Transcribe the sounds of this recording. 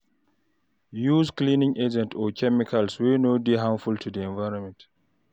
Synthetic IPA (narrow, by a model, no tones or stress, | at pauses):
juːskliːnĩŋʔed͡ʒɛ̃ntʰɔkʰɛmikʰalswinoːdiɦãmfultʰudiɛ̃nvaɪɹɔ̃nmɛ̃nt